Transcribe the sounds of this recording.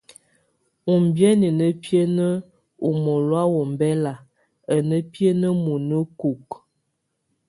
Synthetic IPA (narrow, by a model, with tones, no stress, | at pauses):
u˨m˨bjə˦ni˨nə˦pjə˦nə˦ | u˨mo˨lwa˦wo˨m˨bɛ˦la˨ | ə˨nə˦pjə˦nə˦mu˨nə˦ku˨k